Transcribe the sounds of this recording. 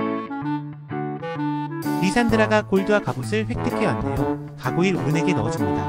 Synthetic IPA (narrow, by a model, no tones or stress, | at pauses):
ɾisʰandɯɾaɡakoɭduwakabosʰɯɭɸwe̞k̚t͈ʰek͈ʰewandejo | kaɡoiɾṵɾɯne̞ɡe̞nʌʌd͡ʑimɲida̰